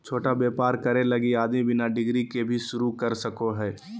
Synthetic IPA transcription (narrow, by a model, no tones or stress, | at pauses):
t͡ʃʰoːʈabjeːpaːɾkɐɾelɐɡiaːd̪mibɪnaɖɪɡɾikebʱiʃʊɾukɐɾsɐkoɦɛː